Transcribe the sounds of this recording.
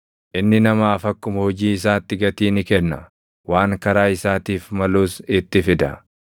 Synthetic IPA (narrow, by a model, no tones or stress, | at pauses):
ʔɪnːɪnɐmaːfɐkːʊmɐhɔd͡ʒiːɪs̬aːt̪ːɪɡɐt̪iːnɪkɛnːɐ̰ | waːŋkɐɾaːɪsaːt̪iːfmɐluːsɪt̪ːɪfɪd̪ɐ̰